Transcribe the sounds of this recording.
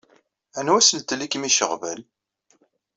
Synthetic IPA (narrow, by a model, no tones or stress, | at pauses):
ænwæsəlt̪likmiʃəʁvæ̰l